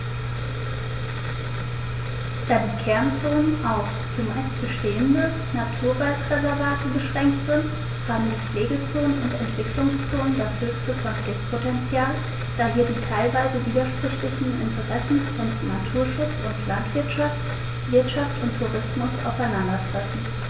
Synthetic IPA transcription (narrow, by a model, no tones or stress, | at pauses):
d̥aːdiːkʰɛɐnt͡soːnənʔaʊf | t͡sumaɪst̚b̥əʃteːəndə | natʰuːɐvaltʁ̥ɛzɛɐvaːtəbəʃʁ̥ɛŋktz̥ɪnt | v̥aːn̩dipfleːɡət͡soːnənʊntɛntv̥ɪklʊŋst͡soːnəndashøːçstəfʁ̥akʁ̥ɪk̚pʰotɛnt͡sjaːl | d̥aːviːɐdiːtʰaɪlvaɪzəviːdɐʃpʁ̥ʏçlɪçn̩ʔɪ̰ntʰəʁɛsn̩ | ʊntnatʰuːɐʃʊt͡sʊntlantv̥ɪɐtʃaft | vɪɐtʃaftʊntʰːuʁɪsmʊsʔa̰ʊfaɪnandɐtʁ̥ɛfn̩